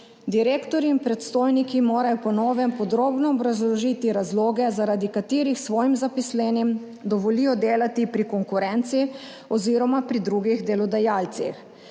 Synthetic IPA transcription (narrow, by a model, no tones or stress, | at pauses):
d̪iɾeːkt̪ɔɾiːnpɾɛt̪st̪oːjnikimoːɾajɔpɔnoːʋɛmpɔd̪ɾoːbnɔːbɾazlɔʒiːt̪iɾazloːɡɛzaɾad̪ikat̪iːɾixsʋɔːjimzapislɛnjɛm | d̪ɔʋɔliːjɔd̪eːlat̪ipɾikɔŋkuɾɛnt̪si | ɔziːɾɔmapɾid̪ɾuɡiɣd̪ɛlɔd̪ajaːlt̪sḭx